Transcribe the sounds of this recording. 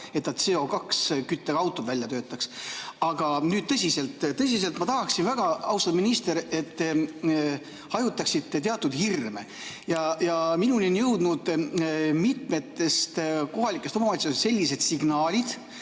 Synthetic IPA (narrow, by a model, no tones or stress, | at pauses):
e̞t̪nɑt̪seːo̞kɑkskyt̪ːeɡ̥ɑwt̪ːˑod̪vælʲjɑt̪ø̞ːt̪ːˑɑksɑɡ̥ɑnyːd̪̚t̪ɤsʲise̞lt̪ːt̪ɤs̬ʲis̬e̞lt̪mɑt̪ɑɦɑksinvæɡ̥ɑɑwsɑd̪minist̪e̞ɾe̞t̪ː | hɑjut̪ːˑɑksit̪ːet̪eɑt̪ːˑud̪hirmḛ | jɑjɑminulenjɤwd̪̥nud̪̥ | mit̪me̞t̪ːe̞st̪ko̞ɦɑlikːˑest̪omɑmɑt̪siose̞lʲːise̞d̪̥siɡ̥nɑːlʲid̪̥